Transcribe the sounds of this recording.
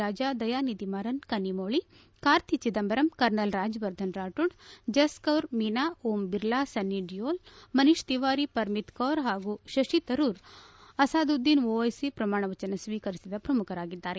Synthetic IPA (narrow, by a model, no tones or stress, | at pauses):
aːd͡ʒaːd̪ɐjaːnid̪imaːɾɐnkɐnːimoːɭi | kaːɾt̪ʰit͡ʃid̪ɐmbɐɾɐmkɐɾnɐlɾaːd͡ʒʋɐɾd̪ʱɐnɾaːʈuɽd͡ʒɐskɐʋɾminaːuːmbiɾlaːsɐnːiɖijoːlmɐniʂt̪iʋaːɾipɐɾmit̪kɐːɾɦaːɡuʃɐʂit̪ɐɾuːɾɐsaːd̪ud̪ːinoːɐjsipɾɐmaːɳɐʋɐt͡ʃɐnɐsʋiːkɐɾisid̪ɐpɾɐmukʰɐɾaːɡid̪ːaːɾe